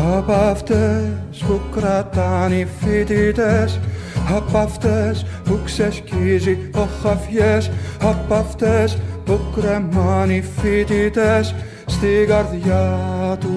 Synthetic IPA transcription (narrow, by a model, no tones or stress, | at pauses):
hɑpɑft̪ɛspukːɾɑt̪ːɑnifːit̪it̪ɛshɑpːɑft̪ɛspuksɛskizioχːɑfjɛshɑpːɑft̪ɛspukːɾɛmɑnifːit̪it̪ɛs | st̪iɡɑrðjɑt̪u